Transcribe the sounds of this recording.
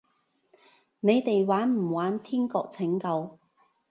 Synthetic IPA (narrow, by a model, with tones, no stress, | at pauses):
ne˨˧jt̪e˨jwaː˨˥nm̩˨˩waː˨˥nt̪ʰiː˥nkɔː˧k̚t͡sʰɪ˨˥ŋkɐ˧w